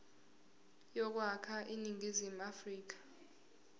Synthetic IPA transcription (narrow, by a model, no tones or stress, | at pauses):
jɔk̬wakʰaʔiniŋʱizim̩afriːk̬ḁ